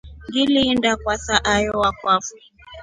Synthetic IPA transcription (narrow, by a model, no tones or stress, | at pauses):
ŋɡiliːndakwasaʔajɔwakwafu̥